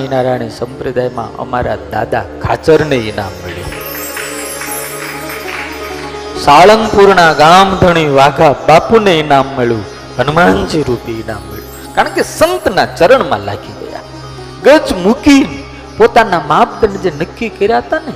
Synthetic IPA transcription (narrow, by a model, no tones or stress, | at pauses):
inaɾaɳ̃isə̃mpɾəd̪ajmã̰ʔə̰ma̰ɾa̰d̪a̰d̪a̰kʰa̰t͡ʃəɾneina̰mːəɭjṵ̃ | saɭəŋɡpuɾnaɡamd̪ʱəɽ̃iʋaɡʱabapuneinamːeɭjũ | ɦənmand͡ʒiɾupiina̰mːḛɭjũ | kaɾəɳkesənt̪nat͡ʃəɾəɳmã̰la̰ɡʱiɡə̰ja̰ | ɡəd͡ʒmukin | pot̪anamap̚d̪ənəd͡ʒenəkːikəɾjaɦət̪ane